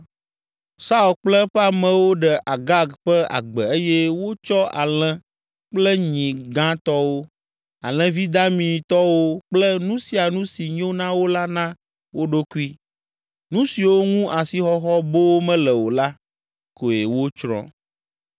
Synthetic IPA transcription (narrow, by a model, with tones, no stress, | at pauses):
sa˦u˨lk͡plɛ˦ɸa˦mɛ̃˨wo˦ɖɛ˨ʔa˨ɡa˦ɡɸɛ˦a̰˨ɡ͡bɛ˨e˦jɛ˦wo˦t͡ʃɔ˦a̰˨l̃ɛ̃˦ | k͡plɛ˦ɲĩ˨ɡã˦t̪ɔ˦wo˦ | a˨l̃ɛ̃˦vi˦d̪a˦mĩ˨t̪ɔ˦wo˦k͡plɛ˦nũ˦si˦a˨nũ˦si˨ɲõ˦nã˦wo˦la˦nã˦ | wo˦ɖo˦ku˦i˦ | nũ˦si˨wo˦ŋũ˦ʔa˨si˦xɔ˦xɔ˦bo˦wo˦mɛ̃˦lɛ˨wo˨la˦ | ko˨je˨wo˦t͡ʃɾɔ̰̃˦˨